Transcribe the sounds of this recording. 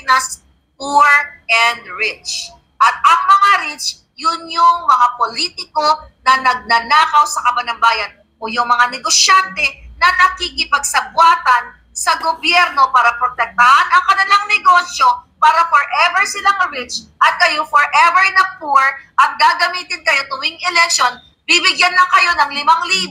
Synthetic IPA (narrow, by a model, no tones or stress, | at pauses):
nɐs | puɹɛnd̪ɹɪt͡ʃ | ʔɐt̪̚ɐŋmɐŋaɾɪt͡ʃ | jʊnjʊŋmɐŋapoliːt̪ɪko̞nɐnɐɡ̚nɐnaːkɐwsɐkɐbɐnɐmbaːjɐn | ʔojʊŋmɐŋanɛɡosjant̪ɛnɐnɐkikɪpɐɡ̚sɐbwaːt̪ɐn | sɐɡobjɛɾno̞paːɾɐpɾot̪ɛk̚t̪ɐhanɐŋkɐnɪlaŋnɛɡo̞sjo̞paːɾɐfɔɹʔɛvɛɹsɪlaŋɐɹɪt͡ʃʔɐt̪̚kɐjofɔɹʔɛvɛɹnɐmpuɹʔɐt̪̚ɡaːɡɐmiːt̪ɪnkɐjot̪ʊwɪŋɛlɛk̚ʃon | bibɪɡjanlɐŋkɐjo̞nɐŋlɪmaŋliː